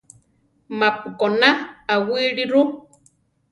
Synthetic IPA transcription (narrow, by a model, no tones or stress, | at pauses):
mapukonaawiɺiɾu